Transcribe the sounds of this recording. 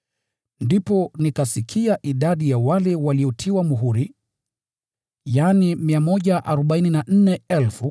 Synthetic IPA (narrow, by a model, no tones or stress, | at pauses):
ndipɔnikasikʰiaʔiɗaɗijawalɛwaliɔtʰiwamuɦuɾi | janimiamɔʄaʔaɾɔɓaininan̩nɛɛlfu